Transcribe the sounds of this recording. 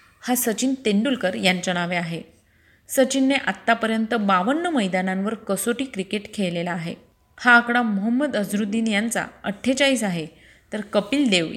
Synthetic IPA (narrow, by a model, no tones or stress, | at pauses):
hasət͡ɕiːnt̪eɳɖulkəɾjant͡ɕəɽ̃aʋeaɦe | sət͡ɕinːeʔat̪ːapəɾjənt̪əbaʋəɳːəməjd̪anãnʋəɾkəsoʈiːkɾikeʈkʰelelaːɦḛ | haːkɽamɔɦəmːəd̪əd͡zɾud̪ʱiːnjant͡sa̰əʈʰːet͡ɕaiːsaɦe | t̪əɾkəpiːld̪eʋ